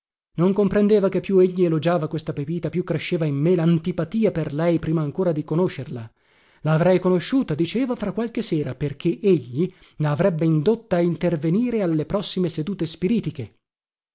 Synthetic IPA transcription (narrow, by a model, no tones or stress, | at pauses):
noŋkompɾend̪eːvakepːjueʎːielod͡ʒaːvakwest̪apepiːt̪apjukːɾeʃːeːvaimːelant̪ipat̪iːaperlɛjpɾiːmaːŋkoːɾad̪ikonoʃerla | laːvɾɛjkonoʃːuːt̪ad̪it͡ʃeːvafɾakːwalk̟esːeːɾaperk̟eʔeʎːi | naːvɾɛbːeind̪ot̪ːaːint̪erveniːɾealːepɾɔsːimesed̪uːt̪espiɾiːt̪ike